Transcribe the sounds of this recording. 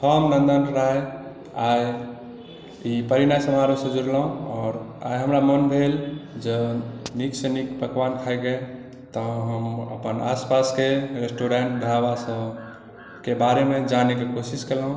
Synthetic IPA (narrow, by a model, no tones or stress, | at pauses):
həmnənd̪ənɾaɦe | aj | ipəɾinasəmaɾosə̃d͡ʒuɾlaɦũɔːɾa̰jɦəmɾamənbʱeld͡ʒəniksənikpəkwankʰaeɡe | t̪ɔɦəmə̰pəna̰spaskeɾesʈoɾeɳʈ̚d̪ʱəɾabasə | kebaɾemed͡ʒanekekosiskelaɦũ